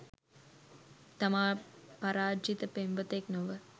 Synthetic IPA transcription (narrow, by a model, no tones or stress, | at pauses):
t̪ɐmaːpɐɾaːd͡ʒit̪əpemʋət̪eknoʋə